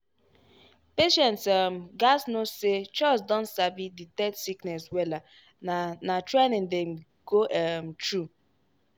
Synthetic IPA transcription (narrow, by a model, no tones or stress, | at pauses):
peʃɛ̃ntsm̩ɡasnoset͡ʃɔsdɔ̃ntsabiditɛtsiknɛswɛla | natɾenɪ̃ŋdɛm̩ | ɡ̥oʔɛm̩tɾu